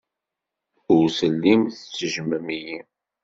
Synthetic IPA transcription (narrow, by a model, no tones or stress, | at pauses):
ʊɾsəlːimθət͡sːəʒməmiji